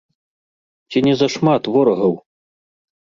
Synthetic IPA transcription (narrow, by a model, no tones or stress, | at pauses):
t͡sʲinʲɛzɐʂmat̪vɔɾɐɣɐw